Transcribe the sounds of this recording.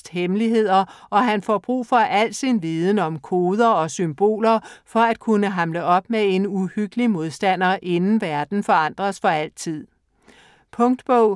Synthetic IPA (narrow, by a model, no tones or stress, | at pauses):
d̥hemliɦe̝ð̰ˠɐʔɒ̽ɦænfɒ̰b̥ʁṵːfɒ̽ʔæl̰d̥sinʋiːðˠn̩ɒ̽mkʰo̝ːð̞ˠɐɒ̽symb̥o̝̰ːlɐfɒ̽æd̥̚kʰunəɦɑ̈mləʔɒ̽b̥̚mee̝nuhyɡ̥əlimo̝ð̞ˠsd̥æn̰ɐʔe̝nn̩ʋæɐd̥n̩fɒ̽ɑ̈n̰d̥ʁɐsfɒ̽æl̰t͡sʰið̰ˠ | pʰɔ̽ŋd̥b̥ɔʊ̰